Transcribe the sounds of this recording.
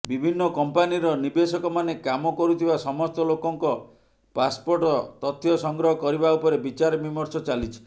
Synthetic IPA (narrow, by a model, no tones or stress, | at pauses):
bibʱinːɔkɔmpaniɾɔnibesɔkɔmanekamɔkɔɾut̪ʰibasɔmɔst̪ɔlokɔŋkɔ | paspoɾʈɔt̪ɔt̪ʰːjɔsɔŋɡɾɔɦɔkɔɾibaupɔɾebit͡ʃaɾɔbimɔɾt͡ʃɔt͡ʃalit͡ʃʰi̥